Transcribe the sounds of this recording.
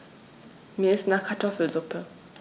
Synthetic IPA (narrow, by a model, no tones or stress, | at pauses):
meːɐɪstnaːχkʰaɐtʰɔfl̩zʊpʰə